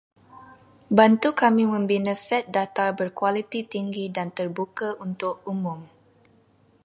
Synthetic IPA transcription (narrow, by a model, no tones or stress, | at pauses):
bant̪ukamĩmə̃mbinə̃sɛt̪̚dat̪abərkwalit̪it̪iŋɡidant̪ərbukaunt̪ʊk̚umʊ̃m